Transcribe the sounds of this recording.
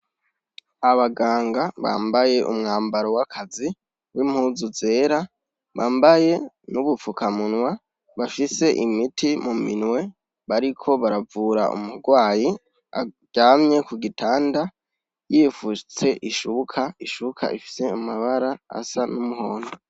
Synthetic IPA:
aβaɡaːŋɡaβa̰ːmbaje̞ʔṵmŋaːmbaɾo̞wakʰazi | wim̥huːzuze̞ːɾa | βaːmbaje̞ | nuβufukamunŋwa | βafise̞ʔimitʰimuminwe̞ | βaɾikʰo̞βaɾavuːɾa̰ʔṵmuɾɡwaːji | a̰ | ɟaːmɲe̞kuɡitʰaːnda | jifut͡se̞ʔiʃukʰaiʃukʰa̰ʔifi̥se̞amaβaɾaa̰sanumuho̞ːno

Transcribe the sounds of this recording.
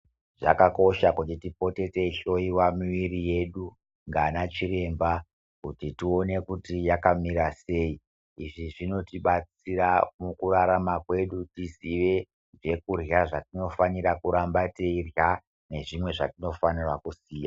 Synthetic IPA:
ʐakako̞ʃakutitipo̞te̞te̞ʃo̞iwamiʋiɾije̞ɗu | ŋɡanat͡ʃiɾe̞mba | kutitio̞ne̞kutijakamiɾase̞ːi | iʐiʐino̞tiɓat͡siramukuraɾamakwe̞ɗutisiʋe̞ | d͡ʒe̞kurjaʐatino̞faniɾakuɾambateirja | ne̞ʐimwe̞ʐatino̞fanirwakusiːja

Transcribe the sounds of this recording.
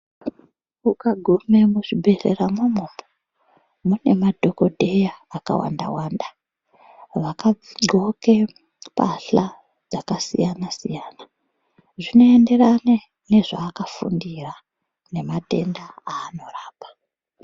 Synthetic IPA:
ukaɡʱume̞muʐibʱe̞re̞ramomobo̥ | mune̞madʱo̞ko̞dʱe̞jaːka̰wa̰nda̰waːnda | ʋakaoke̞ | paɬa | d͡zakasḭjanasijaːna | ʐino̞e̞nde̞rane | ne̞ʐaːkafṵndira | ne̞mate̞̰ndaaːno̞raːpḁ

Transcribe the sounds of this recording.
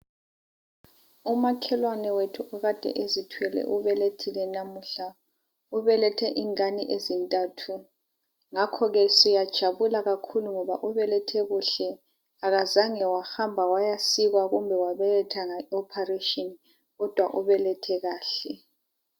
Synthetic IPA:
umakʰɛlwanɛwetʰuʔɔɣad̥ʱɛ̰ʔezitʰwɛlɛ̰ʔuβɛletʰilɛnamuɬa | uβɛlɛtʰɛʔiŋaniʔezintʼatʰu | ŋakʰɔɣɛsijad̥ʒ̥ʱaβulaɣakʰuluŋɔβaʔuβɛlɛtʰɛɣuɬɛ | aɣazaŋɛwaxambʱawajasiɣwaɣumbʱɛwaβɛlɛtʰaŋaɔpʰareʃʼɔni | ɣɔd̥ʱwaʔuβɛlɛtʰɛɣaːɬɛ

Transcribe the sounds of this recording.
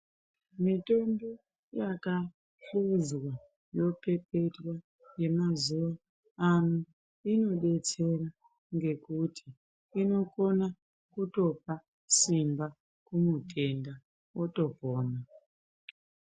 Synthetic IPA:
mito̞mbo | jaka | ɬuzwa | jo̞pe̞pe̞twa | je̞mazuʋa | anu | ino̞ɗe̞t͡se̞ra | ŋɡe̞kutʰiː | no̞kona | kuto̞p̚a | simba | kumutʼe̞nda | woto̞poːna

